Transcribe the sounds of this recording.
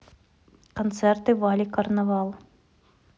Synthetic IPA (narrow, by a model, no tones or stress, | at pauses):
kʰont̪sɛrt̪ɨvalʲikʰarnavalˠ